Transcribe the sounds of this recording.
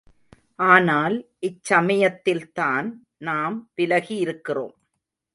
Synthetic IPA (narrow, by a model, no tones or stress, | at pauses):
ʔaːnaːlʔɪt͡ʃsɐmɐjɐt̪ːɪlt̪aːn | naːmpɪlɐɣijɪɾɯkːɪro̰ːm